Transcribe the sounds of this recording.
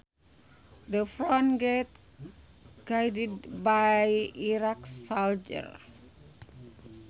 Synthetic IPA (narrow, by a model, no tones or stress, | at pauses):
dəfɹɔ̃nɡɛt̪̚ | ɡ̥ajdid̚bajiɾaksald͡ʒə̰r